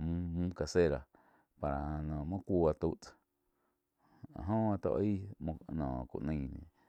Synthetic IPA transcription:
mũ˦mũ˦ka˧se˦˨ɾa˨ | pa˨ɾa˨nɔ̃ː˨mã˦kʷu˧a˧t̪u˦ʔt͡s | a̰˨ɦõ˦a˧t̪o̰˧ʔĩ˦˧nɔ̃ː˨kṵ˨ʔnə̃˧˨nḛ̃˨

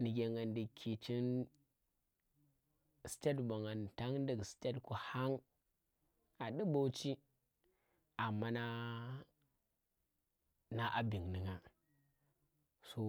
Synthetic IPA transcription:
ni˨ɡʲe˨ŋa˨ndi˨kʰi˨t͡ʃi˦n | si̥˨tʲa˦dba˨ŋa˨n˨ta˦ŋ˦n˦də˦˨ɡsi̥˨ta˦dku˨ha˦ŋ | a˨ɗi˦bo˦t͡ʃi˦ | a˨mːa˦na˦ | na˦ʔa˦bi˨ŋni˨ŋa˨ | so˦

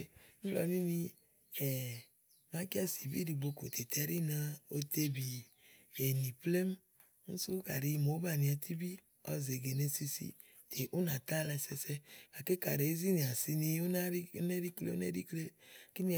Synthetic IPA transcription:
n̩˦lɔ̰˨˦ni˦ni˧ | ɛ˨ | ma˦ki˦a˦si˨bḭ˦ɾi˨ɡ͡bo˧ko˨t̪ʰe˨t̪ʰɛ˨˦ɾi˦na˧o˧t̪e˧bi˨ | e˨ni˨ple˦m˦ | n̩˦su˦ka̰˨ɾi˧mo˨˦ba˦˨ni˨a˨t̪ʰi˦bi˦ | ɔ̰˨˦ze˨ɡe˨ne˧si˧sḭ˦ | te˨ʔu˦na˨t̪a˦˨la˧sɛ˧sɛ˦ka˨ke˦ka˨ɾe˨˦zi˦ni˨a˨si˧ni˧o˦na˦ɾi˦ne˦ɾi˦klḛ˦o˦ne˦ɾi˦kle˦ki˦ni˦˨

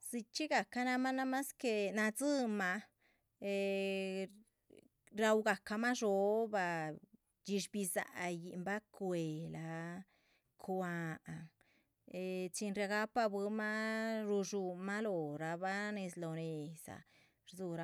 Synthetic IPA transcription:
zi˧t͡ʃi˦ɡa˨ka˦na˧ma˦na˦ma˦ske˧na˧d͡zɨ˦ma˧ | e˧ | ɾa˧wɡa˨ka˧ma˦ʐo˧ba˧ | d͡ʒi˧ʃbi˧za̰˨˧ji˧mba˦kwe˨la˧ | kʰwa˧a˨ŋ | e˧t͡ʃi˧nɾja˧ɡa˦pa˧bɨ˧ma˦ɾu˧ʒu˧ma˦lo˨ɾa˧ba˦ne˧slo˨ne˨z̥a̰˨ | ɾzu˧ɾa˧

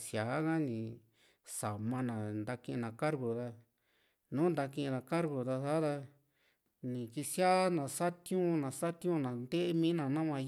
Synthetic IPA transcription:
sja˨˦ɣã˦nĩ˨ | sa˨mã˧nã˨nd̪a˧kĩ˧ʔnã˨ka˦ɾɡo˨ða˧ | nũː˨˦nd̪a˧kĩ˧ða˧ka˦ɾɡo˨ða˧sa˦ða˧ | nĩ˨ki˧sja˦nã˨sa˦t̪jũ˦nã˨sa˦t̪ũ˧˦nã˨nd̪e˦ʔmĩ˦nã˧nã˦mã˧

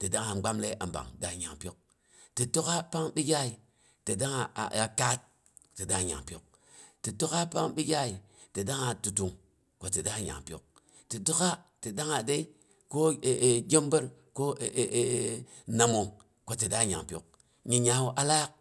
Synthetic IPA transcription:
ti˨da˦ŋa˨ɡ͡ba˦mle˦ʔa˨mba̰˨ŋda˨ɲa̰˨ŋpjo˦k̚ | ti˨to˦ka˦pa˦ŋbi˦ɡʲa˦i˨ | ti˨da˦ŋa̰˨a˨ka˦t̚ | ti˨da˦˨ɲa̰˨ŋpjo˨k̚ | ti˨to˦ka˦pa˦ŋbi˦ɡʲa˦i˨ | ti˨da˦ŋa˨tu˨tu˨ŋ | ko˦ti˨da˦˨ɲa̰˨ŋpjo̰˨k̚ | ti˨do˦ka˦ti˨da˦ŋa˨de˦i˦ | ko˦˨ɡʲe˦mbə˦ɾ | ko˦˨ | na˨mo˨ŋ | ko˦ti˨da˦˨ɲa̰˨ŋpʲo˨k̚ | ɲi˨ɲa˨˦wo˦ʔa˦la˦k̚

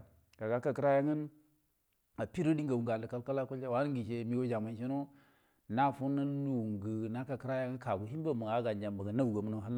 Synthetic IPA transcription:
ɡa˨ɡa˦ka˨ki˦ɾa˦ja˦ŋə˦n | a˨pi˦ɾu˦di˦ŋɡa˨wu˨ŋɡa˨n˨də˨ka˦lka˦la˦ko˦le˦wa˨˦n˦ɡi˨ʃe˦mi˦wo˦d͡ʒa˨ma˨˦n˦ʃi˦no˦ | na˦fu˦na˦lu˨ŋɡə˨na˦ka˨kə˦ɾa˦ja˦ŋə˦ka˨ɡu˨ɦi˦m˦ba˦˨mu˨ɡa˨˦ɡa˨nd͡ʒa˨mba˨ɡa˨na˦wu˨ɡa˨m˦no˦˨ɦa˦l

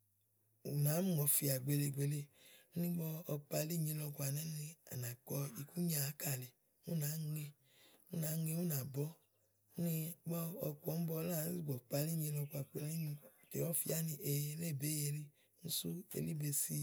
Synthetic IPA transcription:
u˨naː˨˦mu˦˨ɔ˧fi˧a˨ɡ͡be˧le˧˨ɡ͡be˧le˧u˦nĩ˦ɡ͡bɔ˧ɔ˧k͡pa˧li˦˨ɲĩ˧˦lɔ˧ku˧a˨nɛ˨˦nĩ˧a̰˨na˨kɔ˧i˨ku˦ɲa˦˨˦ka˦˨lɛ˨ | ũ˦naː˨˦ŋe˧ | u˦na˨˦ŋe˧u˦na˨bɔ˨˦ | u˦ni˧ɡ͡bɔ˦ɔ˧ku˧ɔ˨˦m̩˦bɔ˧laː˦˨˦si˦˨ɡ͡bɔ˨k͡pa˧li˦˨ɲĩ˧lɔ˧ku˧a˨k͡pe˧le˦ɲĩ˧˦˨te˨ɔ˦˨fi˧˦a˦nĩ˧ʔe˧ɾe˦˨be˨˦je˧ɾi˧˦ | n̩˦su˦ḛ˧li˦be˧si˧

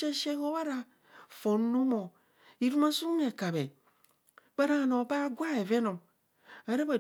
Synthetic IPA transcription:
e˦ʃe˦ko˦ba˦ɾa˦ | fo˨n˦nu˦mo˨ | i˦ɾu˦ma˦su˦m˦ne˨ka˨be˨ | ba˦ɾa˦˨no˨ba˦ɡʷa˦e˨ve˦no˨m | a˨˦ɾe˦ba˨

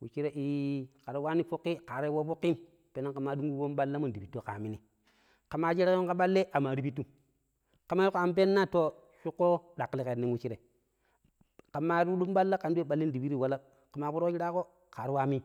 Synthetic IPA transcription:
wu˨t͡ʃi˦ɾe˦ʔi˦ka˨ɾi˦wa˦ni˦fo˦kːi˦ka˨ɾi˦wo˦fo˦kːi˦m | pe˨nːa˦ka˨mːa˨du˦ŋɡu˦wo˦mɓa˦lːa˦mu˦n˨di˨i˨tːo˦˨ka˨mi˦ni˨ | ka˨ma˦d͡ʒi˦ɾa˦ko˦ŋka˦ɓa˦lːe˦ʔa˨ma˨ɾi˨bi˦tu˦ | ka˨ma˦ju˦ko˨a˨mp̬e˦nːa˦to˦ | ʃu˦kːo˦ɗa˨kːli˦ke˨nːi˦nwu˦t͡ʃi˦ɾe˨ | ka˨ma˦ɾu˦u˦mɓa˦lːa˦ka˨ndu˦e˦˨ɓa˨lːi˦ndi˨bi˦ɾi˦˨wa˦la˦ | ka˨ma˨pu˦ɾo˦d͡ʒi˦ɾa˦ko˦ | ka˨ɾi˦wa˦mi˦

